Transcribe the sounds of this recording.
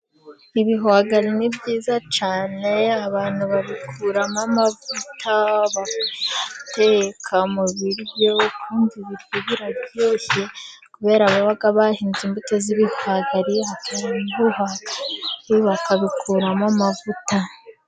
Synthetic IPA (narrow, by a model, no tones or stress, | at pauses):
iβiɦuaɡaɾinibɟiːzat͡ʃaːne̞aβaːn̥huβaβikʰuːɾamamavutʰaβak | te̞kʰamuβiɾβo̞kʰuːndiβiɾɡiβiɾabjo̞ːsekuβe̞ːɾaβoβaɡaβahiːnziːmbuteziβihaɡaɾiatʰanibuhaɡaiβakaβikʰuːɾamamavuta